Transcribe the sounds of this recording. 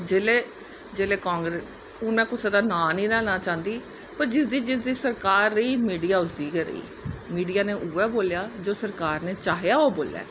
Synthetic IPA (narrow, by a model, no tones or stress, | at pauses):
d͡ʒeːleː | d͡ʒeːleːkãːŋɡɾes | oːmɛ̃ːkʊseːd̪aːnaːnĩːd̪ɛːlnãːt͡ʃãːnd̪iː | pəɾd͡ʒɪsd̪iːd͡ʒɪsd̪iːsəɾkaːɾːəiːmiːɖiːaːʊsd̪iːkəɾə̰ḭː | miːɖijaːneːʔuːɛːboːljaːd͡ʒoːsəɾkaːɾneːt͡ʃaːɦejaːoːboːlja̰ː